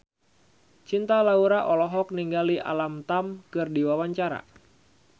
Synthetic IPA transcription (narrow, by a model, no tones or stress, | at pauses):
t͡ʃint̪alauɾaʔɔlɔɦɔk̚niŋɡaliʔa̰lamt̪amkɨrdiwawaɲt͡ʃaɾa̰